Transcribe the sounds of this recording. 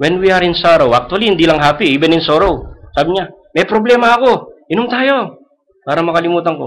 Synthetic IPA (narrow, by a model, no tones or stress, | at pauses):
wɛnwiɐɾɪnsaːɾowʔɐk̚t̪ʊɐlihɪnd̪iːlɐŋɦaːpiʔibɛnɪnsoɾowsaːbɪɲa | mɛjpɾoblɛːmɐɐko̞ʔɪnʊmt̪aːjo̞ | paːɾɐmɐkɐlɪmuːt̪ɐŋko̰